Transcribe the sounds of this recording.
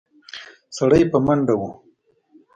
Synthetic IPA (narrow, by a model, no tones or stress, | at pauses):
saɽajpəmaɳɖawu